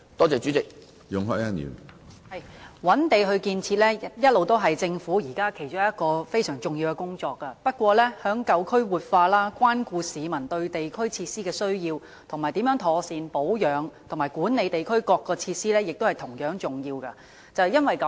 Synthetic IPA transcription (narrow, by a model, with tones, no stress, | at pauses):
t̪ɔː˥t͡sɛː˨t͡ʃy˨˦˥t͡sɪ˨k̚ | jʊ˨ŋɦɔ̰ː˨˥˩a˥nḭː˨˩nhɐ˨jwɐ˨˥nt̪e˨jɦɵ˧ɥkiː˧nt͡sʰiː˧t̚lɛː˥jɐ˥t̚lo˨wt̪o˥wɦɐ˨jt͡sɪ˧ŋfuː˨˥jiː˨˩kaː˥kʰe˨˩jt͡ʃʊ˥ŋ˨˦jɐ˥t̚kɔː˧fe˥jsœː˨˩ŋt͡sʊ˨ŋji˧wkɛ˧kʊ˥ŋt͡sɔː˧kːɐ˧pɐ˥t̚kʷɔː˧lɛː˥hœː˨˥ŋkɐ˧wkʰɵ˥ɥwuː˨t̚faː˧laː˥kwaː˥nkuː˧siː˨˧mɐ˨˩nt̪ɵ˧ɥt̪e˨jkʰɵ˥ɥt͡sʰiː˧t̚siː˥kɛː˧sɵ˥ɥjiː˧w | t̪ʰʊ˨˩ŋmaː˨˩jt̪iː˨˥mjœː˨˥ŋt̪ʰɔː˧siː˨npo˨˥wjœː˨˧˥ŋt̪ʰʊ˨˩ŋmaː˨˩jkuː˨˥nne˨˧jt̪e˨jkʰɵ˥ɥkɔː˧kːɔː˧t͡sʰiː˧t̚siː˥lɛː˥jɪ˨k̚t̪o˥whɐ˨jt̪ʰʊ˨˩ŋjœː˨˥ŋt͡sʊ˨˩ŋjiː˧wkɐ˧ | t͡sɐ˨wjɐ˥nwɐ˨jkɐ˨